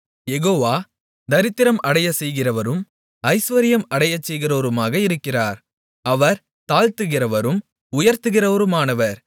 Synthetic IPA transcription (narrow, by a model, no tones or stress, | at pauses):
jɛɣoːʋaː | d̪ɐɾɪt̪ːɪɾɐmʔɐɽɐjɐsɛjɣɪrɐʋɐɾɯm | ɐɪsʋɐɾɪjɐmɐɽɐjɐt͡ʃːɛjɣɪroːɾɯmaːɣɐɪɾɯkːɪraːɾ | ɐʋɐɾ | t̪aːlt̪ɯɣɪrɐʋɐɾɯm | ʊjɐɾt̪ɯɣɪrɐʋɐɾɯmaːnɐʋɐɾ